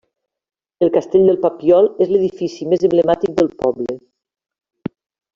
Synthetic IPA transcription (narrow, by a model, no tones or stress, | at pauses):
əlˠkast̪eʎʲd̪əlˠpapiɔlˠezləð̞ifisimezəmbləmat̪ik̚d̪əlˠpɔblə